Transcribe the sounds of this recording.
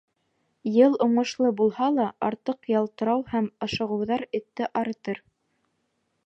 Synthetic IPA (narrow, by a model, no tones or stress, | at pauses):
jɤlˠŏɴɤ̆ʃlˠɤbulˠhɑlˠɑɑɾt̪ɤqjɑlˠt̪ɤ̆ɾɑwhæmɑʃɤ̆ʁɤ̆wðɑɾɘ̆t̪ːɘʔɑɾɤ̆t̪ɤɾ